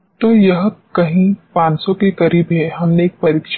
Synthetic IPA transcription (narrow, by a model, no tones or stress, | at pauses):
t̪oːjɐɦkɐɦĩpãːnsõkekɐɾiːbɦɛɦɐmneːk̚pɐɾɪkʃ